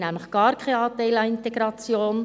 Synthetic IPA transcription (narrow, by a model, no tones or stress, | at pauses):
næmləχɡ̥ɑːɾkʰajɑːt̪æɪlɑɪnteɡɾɑt͡sjoːn